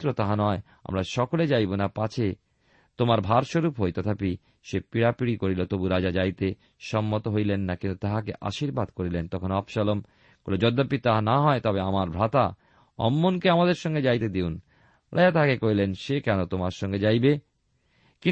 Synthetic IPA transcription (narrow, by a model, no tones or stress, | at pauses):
ɾot̪aɦanɔe | a̰mɾaʃɔkoled͡ʑajbonapat͡ɕʰe | t̪omaɾbʱaɾʃoɾupɦojt̪ɔt̪ʰapi | ʃepiɾapiɾikoɾilot̪obuɾad͡ʑad͡ʑajt̪e | ʃɔmːot̪oɦojlenːakint̪ut̪aɦakeʔa̰ʃiɾbad̪koɾilent̪ɔkʰonɔbʃalom | kolod͡ʑɔd̪ːapːit̪aɦanaɦɔet̪ɔbeamaɾbʱɾat̪a | ɔ̰mːonkeamad̪eɾʃɔŋɡed͡ʑajt̪ed̪eun | ɾa̰jat̪aɦakekoilenʃekɛnot̪omaɾʃɔŋɡed͡ʑajbe | ki